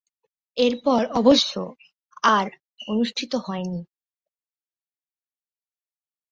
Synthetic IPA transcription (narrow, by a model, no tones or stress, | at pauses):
eɾpɔɾɔboʃːo̰ | aɾ | onuʃʈʰit̪oɦɔeni